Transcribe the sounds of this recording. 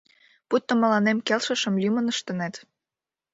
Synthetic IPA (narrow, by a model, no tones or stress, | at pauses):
put̪ːomə̆lɑnemkelʃə̆ʃə̆mlʲymə̆nəʃt̪ə̆net̪